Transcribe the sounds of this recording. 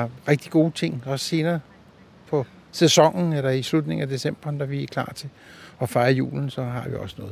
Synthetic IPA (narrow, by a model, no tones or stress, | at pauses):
ʁɛɡ̥̚d̥iɡ̥o̝ːt͡sʰe̝ŋ̰ɒ̽sse̝ːnɐː | pʰɒ̽ | sesɒ̽ŋ̰n̩elɐislud̥ne̝ŋ̩æd̥e̝sem̰b̥ɐːnd̥æʋiækʰl̥ɑ̰̈ːt͡sʰe̝ | ɒ̽fɑ̈ɪɐjṵːln̩sɒ̽ɦɑ̈ʋḭɒ̽sənɔ̽ːð̩ˠ